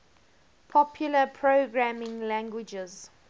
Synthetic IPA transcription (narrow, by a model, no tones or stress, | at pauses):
pʰɔpʰjuləpʰɹoɡɹamɪ̃ŋlæ̃ŋɡwɪd͡ʒɛz̥